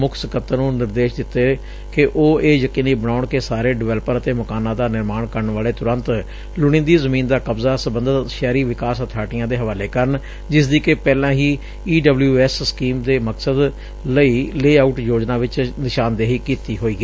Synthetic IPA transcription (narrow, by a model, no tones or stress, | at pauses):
mʊkʰsəkət̪ənũːnɪɾd̪eːʃd̪ɪt̪ːeː | kɪʔoːeːjəkiːniːbəñaːʊɳkeːsaːɾeːɖɪʋɛːləpəɾət̪eːməkaːnãːd̪aːnɪɾmaːɳkəɾəɳʋaːleːt̪ʊɾə̃nt̪ | lʊɽ̃ĩnd̪iːzəmiːnd̪aːkəbzaːsəbənd̪ət̪ʃɛːɾiːʋɪkaːsət̪ʰaːʈɪjãːd̪eːɦəʋaːleːkəɾəɳ | d͡ʒɪsd̪iːkepɛːlãːɦiː | iːɖəbljuːɛːsskiːmd̪eːməksəd̪ | ləiːleːaːuːʈjoːd͡ʒnaːʋɪt͡ʃnɪʃaːnd̪eːɦiːkiːt̪iːɦoːiːɡiː